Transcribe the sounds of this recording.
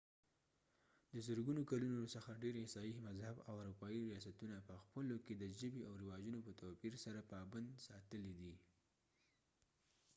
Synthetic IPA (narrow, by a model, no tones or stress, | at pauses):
d̪əzəɾɡunokalunosəxaɖeɾesɑjimazhabawʊɾupɑiɾijɑsat̪unapəxpəloked̪əʒəbiawɾɪwɑd͡ʒunopət̪opiɾsaɾapɑband̪sɑt̪əlid̪i